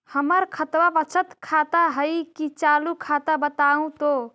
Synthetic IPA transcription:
həməɾkʰət̪wabət͡ʃʰət̪kʰat̪aɦəjkit͡ʃalukʰat̪abət̪aũt̪o

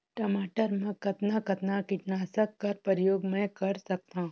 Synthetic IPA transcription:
ʈɐmaːʈəɾmɛ̃kɐt̪nakɐt̪nakɪʈnaːsəkːɐɾpəɾjoːɡmɛ̃kɐɾsɐk̚t̪aɦũ

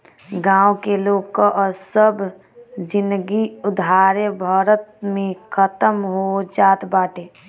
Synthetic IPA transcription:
ɡãːwkeloːkːəʔsəb | d͡ʒɪnd̪ɡiʊd̪ʱaɾebʱaːɾət̪̚mẽkʰət̪əmɦod͡ʒaːt̪baːʈe

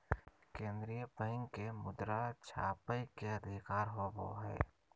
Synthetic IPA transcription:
kẽːnd̪ɾijəpəɪŋkemʊd̪ɾat͡ʃʰa̰ːpəjkeəd̪ʱɪkaːɾɦobo̰ɦɛ̰ː

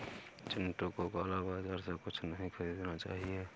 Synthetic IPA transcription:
t͡ʃɪnʈõkokalabaːd͡ʒaːɾsekʊt͡ʃʰnəɦĩkʰəɾiːd̪nat͡ʃa̰ːɦie

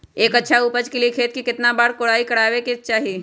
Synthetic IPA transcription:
eːkɐtːʃʰauːpəd͡ʒkeliekʰeːt̪̚kikɪt̪nabaːɾkoɽaːikɐɽaːʋekit͡ʃaːɦi

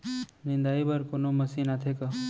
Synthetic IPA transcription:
nɪ̃nd̪aːibɐɾkonomɐsinat̪ʰeka

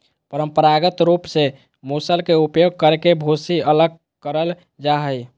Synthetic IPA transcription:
pəɾəmpəɾaɡət̪ɾupse | musəlkeupjoɡ̚kəɾekebʱosiələɡ̚ | kəɾəl | d͡ʒaɦəj

